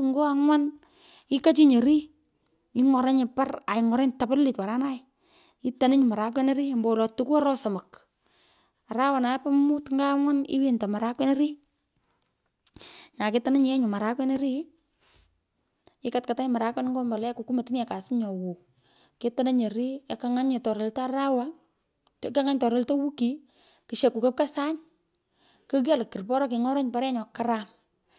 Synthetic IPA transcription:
ŋɡo˦a˦ŋwa˦n | i˦ka˦t͡ʃi˦ɲe˨ɾi˦ | i˦ŋɔ˨ɾe˦ɲɪ˨pa˦ra˨ɪ˨ŋɔ˨ɾe˦nta˨pɪ˦lːɪ˨tpa˨ɾa˦na˦j | i˦ta˨ne˦ɲu˨ma˨ɾa˨˦k̬wɛ˦ne˦ɾi˦mbɔ˨lɔ˨tu˦ku˦a˦ɾɔ˦sɔ˨ma˨k | a˨ɾa˦wa˨na˨˦pa˦mu˦tŋɡa˦ŋwa˦nḭ˦wi˦nta˨ma˨ɾa˦kwɛ˦ne˦ɾi˦ | ɲa˨ke˦ta˨ne˦ɲi˨ɛ˦ɲu˨ma˨ɾa˦kwɛ˦ne˦ɾi˦ | ɪ˦katka˨ta˦ɲ˦ma˨ɾa˨˦kwɛ˦n˦ŋɡo˦mba˨lɛ˦ku˨ku˦ma˨ti˦n˦a˨ka˨sɪ˦ɲɔ˨wo˨ | ke˦to˦na˦ɲe˨ɾi˦a˨ka˦ŋa˦ɲe˨tɔ˨ɾe˨lta˦ɾa˦wa˦ | tka˦ŋa˦ɲtɔ˨ɾe˨lta˦wu˦ki˨ | ki˨ʃe˨kːu˨kə˦p̚ka˦sa˦ɲ | kə˦k̬a˦lkːi˨rpɔ˦ɾɔ˦kɪ˨ŋɔ˦ɾɔ˦ɲpa˨ɾɛ˦ɲɔ˨ka˦ɾa˨m

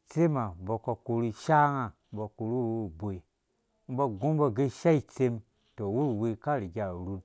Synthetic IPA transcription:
t͡se˦ma˨bo˧ko˧ku˨˧ɾu˧ʃa˦ŋa˧˦bo˧ko˨ɾu˦wbo˨i˨ | m̩˦bo˧ɡũ˦m˦bo˧ɡe˦˧˦ʃa˦i˧t͡se˧m | to˨wu˦ɾu˨wi˧ka˦ɾi˨ɡʲa˨ɾu˧n

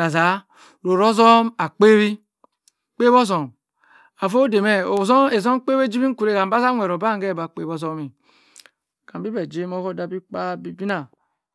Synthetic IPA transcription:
a˨za˨˦ | ɾo˨ɾo˦zɔ˦ma˨k͡pe˦wi˦ | k͡pe˦bo˦zo˨m | a˨fo˦de˨me˦˨o˨zo˦e˨zo˦m˦k͡pe˦we˦d͡ʒi˦bi˦ku˨ɾe˦ka˨m˨ba˦za˦ŋʷe˨ɾo˨ba˦ŋ˦ɡe˦˨ba˨k͡pe˦bo˦zo˦mi˨ | ka˨mbi˦bɛ˨d͡ʒe˦mo˦fo˦da˨bi˦k͡pa˦bi˦bi˦na˨

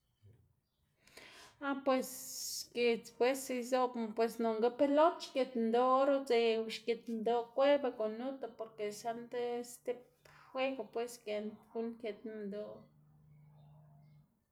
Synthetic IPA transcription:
a˦pwe˧sʃke˨t͡spwe˦se˧jzo˦bpwe˨sno˨ŋɡa˦pe˦lo˦t̪t͡ʃke˨t̪nd̪o˧ɾu˦t͡se˧wʃke˨t̪nd̪o˧kʷe˦ba˧ko˨nu˦t̪a˧po˨ɾke˨ʃa˦nt̪e˦st̪e˦p | xwe˦ka˧pwe˦ske˨nɡu˦nkje˨t̪na˧nd̪o˧

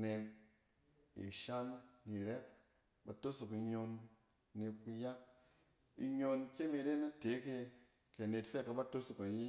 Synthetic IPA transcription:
ne˧k | ḭ˨ʃa˦nːi˨ɾɛ˦ | ba˨to˦su˨ki˧ɲo˧nː | e˧ku˧ja˦k̚ | ḭ˧ɲo˧nkʲe˦me˧de˦na˦te˨˦ke˧ | ke˨ne˨tfe˦ka˨ba˦to˦su˨ka˨ji˦

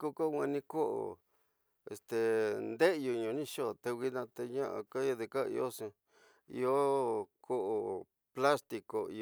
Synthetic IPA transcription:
ku˧ko˦˧ŋʷã˧nĩ˧ko˦ʔo̰˨ | ḛ˨st̪e˨nd̪e˦˧ju˧ɲõ˨˧nĩ˦ʃo˦˨t̪e˧wi˧nã˧t̪e˧ɲã˦ʔa̰˧ka˦jo˧ðe˧ka˦˧ḭ˧o˦sẽ˧ | ḭ˧o˦kʰo˦ʔo˨ | pla˦st̪i˧˨ko˨ḭ˧

